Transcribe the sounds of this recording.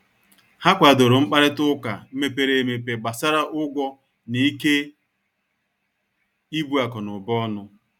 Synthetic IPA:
ha˦kʷa˨do˨ɾʊ˨ŋ͡m̩˦k͡pa˦ɾɪ˦tʊ˦ka̰˨m̩˦me˦pe˦ɾe˨me˨pe˨ɡ͡ba˨sa˦ɾa˦ʔʊ˦ɡʷɔ˦ | ni˨˦ke˦ | i˦bu˦a˨kɔ˨nʊ˨bɔ˦nʊ˦

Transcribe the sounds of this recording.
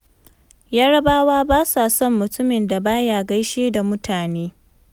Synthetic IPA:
jaː˦ɽɐ˦baː˦waː˦baː˦sa˨sɔ˦mːʊ˨tʊ˦mɪ˨nda˨baː˦jaː˨ɡa˦jʃeː˦da˨mʊ˦taː˨neː˦

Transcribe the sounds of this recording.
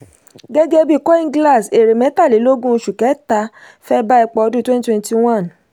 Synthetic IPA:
ɡɛ˦ɡɛ˦bi˦˨kɔ˦ĩ˧ŋ˦ɡla˦˨se˨ɾe˨mɛ̃˨˦ta˦˨le˨˦lo˦ɡũ˦˧ʃu˨kɛ˨˦ta˧ | fɛ˦ba˦i˧k͡pɔ˧ɔ˧du˦twɛ̃˦n˦twɛ̃˦n˦ti˧w̃ã˦˨n

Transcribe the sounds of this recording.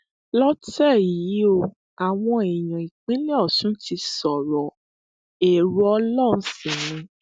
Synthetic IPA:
lɔ˦tɛ˦˨ji˨˦o˧ | a˨w̃ɔ̃˧ɛ˨j̃ã˨i˨k͡pĩ˨˦le˦ɔ˦˨tũ˨˦ti˧sɔ˨ɾɔ˨ | e˨ɾu˦ɔ˧˦lɔ˦˨ũ˧˦sĩ˦˨nĩ˧˦

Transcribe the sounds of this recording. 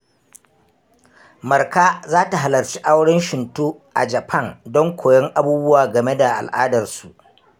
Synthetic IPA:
mɐ˨rka˦zaː˦ta˨ɦa˨lɐ˨rt͡ʃi˦ʔa˦wɽɪ˦nʃɪ˨ntu˦ʔa̰˨d͡ʒɐ˨pʰɐ˦˨ndɔ˦ŋkʷʰoː˨jɔ˦ŋʔa˦buː˦bʊ˦waː˨ɡɐ˨me˦da˨ʔa̰˨lʔaː˦dɐ˨rsu˨ʔ

